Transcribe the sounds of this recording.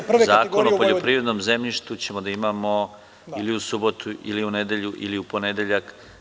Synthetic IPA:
zaːkonopoʎopɾiːɾe̞d̪nomze̞mʎiʃt̪ut͡ɕe̞mod̪aimaːmo̞ | iliusubo̞t̪uʔḭliuned̪e̞ʎuʔiliupo̞ned̪eʎak

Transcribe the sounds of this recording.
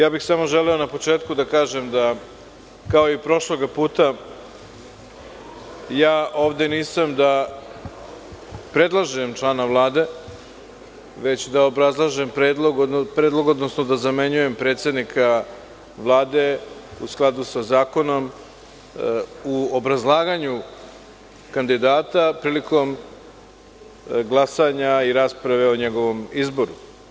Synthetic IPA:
jaːbixsamo̞ʒe̞leo̞napo̞t͡ʂe̞ːt̪kud̪akaːʒemd̪a | kao̞ipɾo̞ʃlo̞ɡapuːt̪a | jaːʔo̞ːʋd̪e̞niːsamd̪a | pɾe̞d̪lˠaʒemt͡ʃlˠaːnavlˠaːd̪e̞ | ʋe̞t͡ɕd̪ao̞bɾazlˠaʒempɾed̪lˠoɡ̪pɾeːd̪lˠo̞ɡo̞d̪nosnod̪azame̞ɲuje̞mpɾet̪se̞d̪nikʰa | ʋlˠaːd̪e̞usklˠad̪usazaːko̞no̞m | uobɾazlˠaːɡaɲu | kand̪id̪aːt̪apɾiːliko̞m | ɡlˠasaɲaiɾaːspɾaʋe̞oɲe̞ɡo̞ʋo̞mizbo̞ɾu

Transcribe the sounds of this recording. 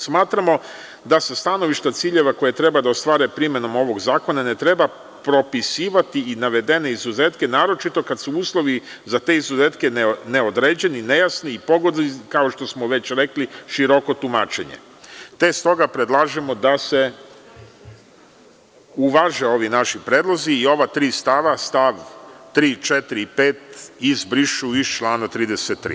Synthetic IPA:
smaːt̪ɾamo̞ | d̪ase̞st̪ano̞ʋiʃt̪at̪siːʎe̞ʋako̞jet̪ɾe̞bad̪aost̪ʋaːɾepɾime̞no̞mo̞ʋo̞ɡzaːko̞nane̞t̪ɾe̞ba | pɾo̞pisiːʋat̪iinaʋe̞d̪e̞ne̞izuze̞ːt̪kenaːɾo̞t͡ʃit̪o̞kad̪suuːslˠo̞ʋizat̪e̞ːizuze̞ːt̪ke̞nne̞od̪ɾeːd͡ʑe̞nine̞jasniːpo̞ɡod̪likao̞ʃt̪o̞smoʋe̞t͡ɕɾe̞kliʃiɾo̞ko̞t̪umaːt͡ʃe̞̰ɲḛ | t̪e̞st̪o̞ɡapɾed̪lˠaːʒemod̪ase̞ | uʋaʒe̞o̞ʋinaʃipɾeːd̪lˠo̞ziːo̞ʋat̪ɾiːst̪aʋast̪aʋt̪ɾiːt͡ʃet̪ɾipeːt̪izbɾiʃuiʃt͡ʃlˠaːnat̪ɾiːd̪eset̪ːɾḭ

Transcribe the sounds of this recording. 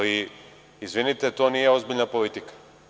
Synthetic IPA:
li | izvinit̪ɛt̪oaniɛozbilnapolit̪ikḁ

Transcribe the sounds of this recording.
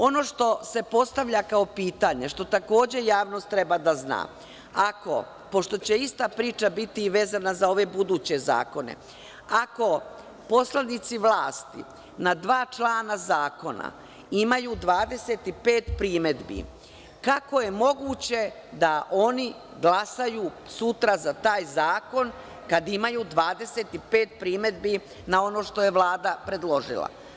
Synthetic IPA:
o̞no̞ːʃt̪o̞se̞po̞st̪aʋʎakaopiːt̪aɲe̞ʃt̪o̞t̪ako̞ːd͡ʑe̞jaːʋno̞ːst̪ːɾe̞bad̪azna̰ː | ako̞̰ | po̞ʃt̪o̞t͡ɕe̞ist̪apɾiːt͡ʃabit̪iʋe̞ːzanazao̞ʋe̞bud̪uːt͡ɕe̞za̰ːko̞nḛ | ako̞ | po̞slanit̪siʋlaːst̪ḭ | nad̪ʋaːt͡ʃlˠaːnazaːko̞na̰ | imajuːd̪ʋaːd̪e̞set̪ipeːt̪pɾiːme̞d̪bḭ | kako̞je̞mo̞ɡuːt͡ɕe̞ | d̪aʔo̞ni | ɡlasajuː | sut̪ɾazat̪aːjzaːko̞n | kad̪imajuːd̪ʋaːd̪e̞set̪ipeːt̪pɾiːme̞d̪bi | nao̞no̞ːʃt̪o̞je̞ʋlˠaːd̪apɾe̞d̪lˠo̞ʒḭlˠa̰

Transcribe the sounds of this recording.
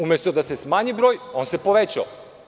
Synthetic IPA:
umʲjest̪od̪asesmaːɲibɾo̞ːjo̞ːnse̞po̞ʋet͡ɕa̰

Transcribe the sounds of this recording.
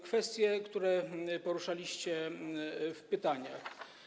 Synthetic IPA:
kfɛst̪ʲjɛkt̪uɾɛpɔɾuʂalʲiɕt͡ɕɛ | fpɘt̪aɲax

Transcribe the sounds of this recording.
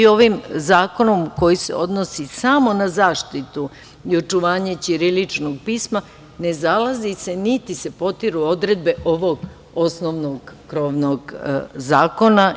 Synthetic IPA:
io̞ʋimzaːko̞no̞mko̞jise̞̰o̞̰d̪nosisamo̞nazaːʃt̪it̪u | io̞t͡ʃuʋaːɲet͡ɕiɾilit͡ʃnoɡ̚piːsma | ne̞zalazise̞nit̪ise̞po̞t̪iɾuo̞d̪ɾe̞d̪̚be̞ʔo̞ʋo̞ɡ | o̞snoʋnoɡːɾo̞ʋnoɡzaːko̞na

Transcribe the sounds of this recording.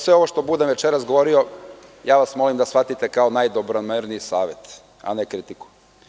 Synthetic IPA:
sʋe̞o̞ʋo̞ʃt̪o̞bud̪emʋe̞t͡ʃeɾasɡoʋo̞ɾio̞jaːʋasmo̞limd̪asfat̪it̪ekaonajd̪obɾonmeɾniisaːʋje̞t̪ | a̰nekɾit̪iku̥

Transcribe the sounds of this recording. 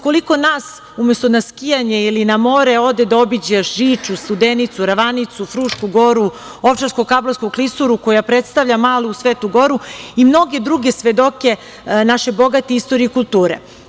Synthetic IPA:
ko̞liko̞naːs | umest̪onaskijaɲeilinamo̞ɾeo̞d̪ed̪aobid͡ʑeʃʒiːt͡ʂust̪ud̪enit̪suɾaʋanit̪sufɾuːʃkuɡo̞ɾu | oʋt͡ʃaɾskokabloskoklisuɾuko̞japɾet̪st̪aʋʎamaːluusʋeːt̪uɡo̞ɾuimno̞ɡe̞d̪ɾuɡesʋe̞d̪o̞ke̞ | naʃebo̞ɡat̪eist̪oɾieikulˠt̪uːɾḛ

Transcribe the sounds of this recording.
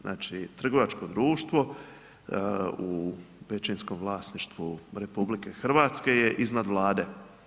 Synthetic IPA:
znʔa̰ːt͡ʃit̪r̩ɡo̞ʋat͡ʃko̞d̪ɾuːʃt̪ʋo̞ | ubet͡ʃinsko̞mvlˠaːsniʃt̪ʋuɾe̞publike̞xrʋaːt̪ske̞jeʔiznad̪ʋlˠaːd̪e

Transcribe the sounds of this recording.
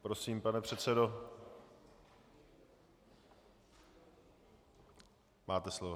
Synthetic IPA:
pɾosiːmpanɛpr̥ɛt̪sɛdo | mʔaːt̪ɛslovo

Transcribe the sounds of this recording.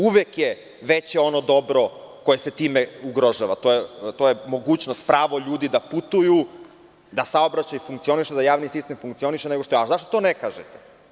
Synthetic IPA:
uʋekje | ʋet͡ɕeo̞nod̪o̞bɾo̞ko̞jese̞t̪iːmeuɡɾo̞ʒaʋat̪ojet̪ojemo̞ɡuːt͡ɕnost̪pɾaːʋoʎuːd̪id̪aput̪uju | d̪asaobɾat͡ɕajiufuŋkt̪sio̞niʃed̪ajaːʋnisist̪e̞mfuŋkt̪sio̞niʃeneɡoʃt̪oazaʃt̪ot̪o̞nekaʒet̪e

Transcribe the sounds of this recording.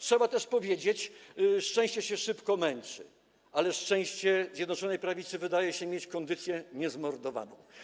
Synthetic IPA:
tʂɛbat̪ɛʂpɔvʲjed͡ʑet͡ɕʂt͡ʂɛ̃w̃ɕt͡ɕɛɕɛʂɘpkɔmɛnt͡ʂɘ̰ | alɛʂt͡ʂɛ̃w̃ɕt͡ɕɛzʲjɛd̪nɔt͡ʂɔnɛjpɾavʲit̪sɘvɘd̪ajɛɕɛmʲjet͡ɕkɔnd̪ɘt̪sʲjɛɲɛzmɔɾd̪ɔva̰nɔ̰̃w̃

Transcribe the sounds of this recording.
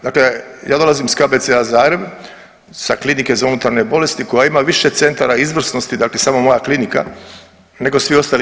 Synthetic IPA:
d̪aklejaːd̪o̞lˠazimskabet̪seazaːɾem | saklinike̞zaunut̪aɾnebo̞le̞st̪iko̞jaimaʋiʃe̞t̪se̞nt̪aɾaizʋr̩sno̞st̪id̪aːkle̞saːmo̞mo̞jaklinika̰ | ne̞ɡo̞sʋio̞st̪al

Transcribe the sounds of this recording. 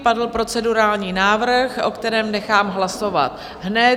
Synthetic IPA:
padl̩pɾo̞t͡sɛduɾaːlɲiːnaːvrxʔo̞̰kt̪ɛɾɛːmnɛxaːmɦlaso̞va̰t̪ | ɦnɛ

